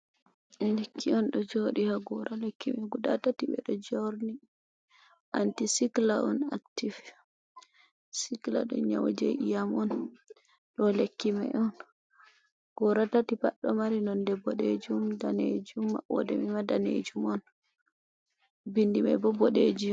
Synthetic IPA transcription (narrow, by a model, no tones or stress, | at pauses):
lekʰːiɔnɗɔd͡ʒoɗihaɡɔɾalekʰːimɛɡuda̰tatiɓɛ̰ɗɔd͡ʒoɾni | ʔantisiklaʔɔna̰k̚tif | sikla̰ɗɔ̰ɲawd͡ʒeʔijamɔn | ɗɔlekːima̰jɔn | ɡ̥ɔɾatatipa̰ɗːɔmaɾinɔndɛbɔɗed͡ʒumdaned͡ʒumːa̰ɔ̰dɛ̰mimadanḛd͡ʒumɔn | bindimɛ̰bɔbɔɗed͡ʒi